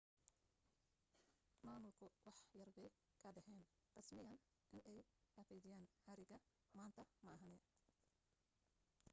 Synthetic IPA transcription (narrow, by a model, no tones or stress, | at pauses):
maːmʊlkʰʊwɑħjɐrɡɛj | kʰɐd̪ɛhɛːn | rɑsmɪjɐn | ʔɪnʔɛjɐfɛjðɪjaːnhɐɾɪɡɐ | maːnt̪ʰɐmɐːɦɐnɛ